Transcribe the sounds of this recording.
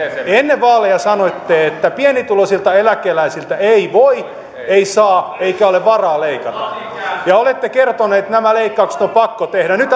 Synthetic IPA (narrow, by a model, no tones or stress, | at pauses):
enːeʋʋɑːlejɑsɑnoit̪ːeːet̪ːæpienit̪ulosilt̪ɑelækeːlæisilt̪æeiʋoi | eisɑːeikæoleʋʋɑrɑːleikɑt̪ɑ | jɑolet̪ːekert̪oneːt̪næmæleikːɑukse̥t̪ompɑkːot̪ehɾænyt̪